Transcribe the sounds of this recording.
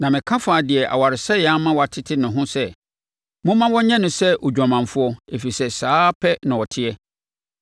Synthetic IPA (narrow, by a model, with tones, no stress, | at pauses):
nã˨mɪ̃˨kʰã˦faː˨dɪ˨ɛ˨ʔa̰˨wa˨ɾɪ˨sɛ˦ja˦mã˦wɔ˨a˨tʰɪ˦tʰɪ˦nʊ̃˨ɦʊ̃˦sɛ˦ | mʊ̃˦mã˦wɔ̃˦ɲɛ̃˦nʊ̃˨sɛ˦ʔɔ˨d͡ʑᶣɔ̃˨mã˨ɱ˨fʊ˦ɔ˦e˨fi˨sɛ˦saː˦pʰɛ˦nã˨wɔ˨tʰɪ˦ɛ˦